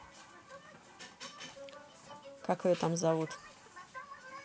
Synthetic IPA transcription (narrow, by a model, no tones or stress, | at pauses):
kakɨjot̪amzavut̪